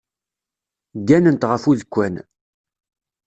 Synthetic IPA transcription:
ɡænənt̪ʁəfuðkʷːæn

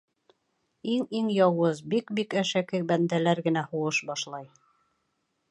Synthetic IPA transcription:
iŋiŋjɑwɤzbikbikæʃækɘbænd̪ælæɾɡɘ̆næhuwɤʃbɑʃlˠɑj

